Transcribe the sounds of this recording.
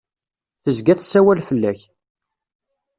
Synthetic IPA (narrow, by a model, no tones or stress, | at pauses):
θəzɡæθsːæwælfəlːæç